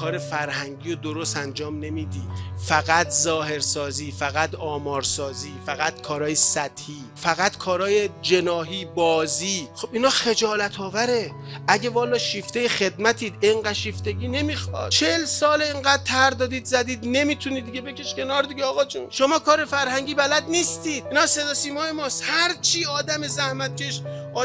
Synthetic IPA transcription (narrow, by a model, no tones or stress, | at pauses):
kʰɒːɾefæɾhæŋɟiːjod̪oɾosænd͡ʒɒːmne̞miːd̪ḭːd̪̥fæɣæt̪ʰzɒːhe̞ɾsɒːziːfæɣæd̪ɒːmɒːɾsɒːziːfæɣæt̪kʰɒːɾɒːjesæt̪hiːfæɣæt̪kʰɒːɾɒːjed͡ʒe̞nɒːɦiːbɒːziːχobiːnɒːxe̞d͡ʒɒːlæt̪ʰɒːvæɾe̞ | æɟevɒːlɒːʃift̪ejexe̞d̪mæt̪ʰiːd̪eŋɢæʃiːft̪eɡʲiːne̞miːxɒ̰ːd̪̥̚t͡ʃʰelsɒːleeŋɢæːd̪̥̚t̪ʰæɾd̪ɒːd̪iːd̪zæd̪iːd̪ne̞miːt̪ʰuniːd̪d̪iɟebe̞kʰʲe̞ʃkʲe̞nɒːɾd̪iɟeɒːɣɒːt͡ʃʰunʃomɒːkʰɒːɾe̞fæɾhæŋɟiːbælæd̪niːst̪iːd̪̥̚iːnɒːse̞d̪ɒːsiːmɒːjemɒːst̪hæɾt͡ʃʰiːɒːd̪æmezæhmæt̪̚cʲʰeʃɒː